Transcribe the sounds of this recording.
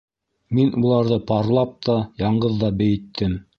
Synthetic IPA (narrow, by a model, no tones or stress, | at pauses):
minʔulˠɑɾðɤpɑɾlˠɑp̚t̪ʰɑjɑɴɢɤðːɑbɘ̆jɘ̆t̪ʰːɘm